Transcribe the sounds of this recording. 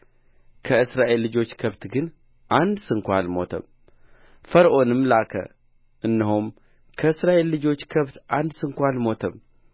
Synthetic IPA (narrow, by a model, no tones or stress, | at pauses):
kʰəɨsɾaʔe̞lːɨd͡ʒo̞t͡ʃːkʰəβt̪ɡɨn | ʔand̪sɨŋkʷalmo̞̰t̪ʰə̰m | fəɾʔo̞nɨmlakʰə̰ | ʔɨnːɨɦum | kʰəɨsɾaʔe̞lːɨd͡ʒo̞t͡ʃːkʰəβt̪ʔand̪sɨŋkʷalmo̞t̪ʰəm